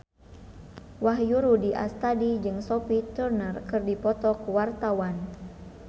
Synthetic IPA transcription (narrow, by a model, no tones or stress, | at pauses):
waɦjuɾudiʔa̰st̪adid͡ʒɨŋsɔpit̪urnərkɨrdipɔt̪ɔkuwart̪awan